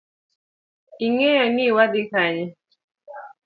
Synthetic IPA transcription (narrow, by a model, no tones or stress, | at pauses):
iŋɛjaniwadikaɲɛ